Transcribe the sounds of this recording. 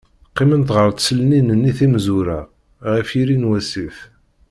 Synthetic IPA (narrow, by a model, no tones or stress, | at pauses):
qːɪmənt̪ʁəɾˤd̪səlninənːiθimzuɾa | ʁifjiɾinwæsif